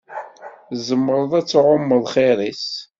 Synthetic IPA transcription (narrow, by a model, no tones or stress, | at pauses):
zəmːəɾˤəðˤæt͡sːʕʊmːəðˤχeɾˤis